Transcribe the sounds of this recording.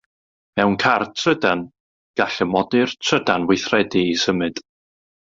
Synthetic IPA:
mɛwnkʰartʰrədan | ɡ̥aɬəmɔdɨrtʰrədanvwɪθrɛdiːsəmɨd̥

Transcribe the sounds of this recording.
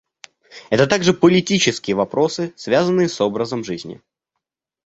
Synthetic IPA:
ɛt̪ət̪aɡʐɨpəlʲɪtʲit͡ɕɪskʲɪjəvɐpɾo̞sɨsvʲazənːɨjəso̞bɾəzəmʐɨzʲnʲɪ̰

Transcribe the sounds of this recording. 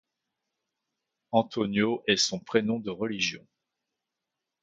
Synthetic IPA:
ɑ̃t̪onjoʔɛsɔ̃pχenɔ̃d̪əʁəliʒjɔ̃

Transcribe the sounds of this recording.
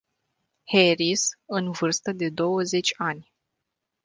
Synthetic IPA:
heɾisɨnvɨrst̪əd̪e̞d̪o̞wəze̞t͡ʃʲanʲ

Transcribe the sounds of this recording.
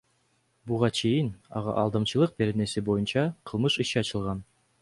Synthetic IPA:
buʁɑt͡ɕejɘnɒ̰ʁɑ̰ʔɑlˠd̪ɤ̆mɕɤ̆lˠɤq̚beɾɘ̆nɘ̆sɘbojɤnɕɑqʰɤ̆lˠmɤʃɤ̆ɕɘɑɕɤ̆lˠʁɑn

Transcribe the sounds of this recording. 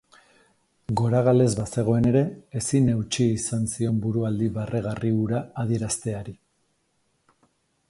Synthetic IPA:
ɡo̞ɾaɣ̞ale̞zβase̞ɣ̞o̞e̞ne̞ɾe̞ːsine̞wt͡ʃiisansio̞mbuɾuald̪iβareɣ̞ariuɾaːð̞ie̞ɾast̪e̞aɾi

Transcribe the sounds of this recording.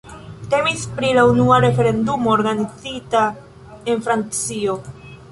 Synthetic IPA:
te̞mispɾilaunuaɾe̞fe̞ɾe̞ndumo̞ːɾɡanid͡zita | e̞nfɾant͡sio̞

